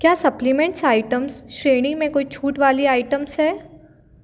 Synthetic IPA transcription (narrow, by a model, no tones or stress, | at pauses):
kjaːsɐplimɛ̃ɳʈsaːɪʈəmsʃɾeːnĩmẽkoit͡ʃʰuːʈʋaːliaːɪʈəmsɦɛː